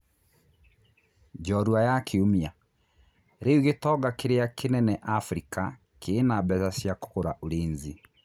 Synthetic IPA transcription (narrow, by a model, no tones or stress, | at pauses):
d͡ʒɔɾwajakʰeomia | ɾeuɣetɔːɡakeɾeakenɛnɛʔafɾika | kʰeːnabɛzasjako̥koɾaʔoɾeːnzi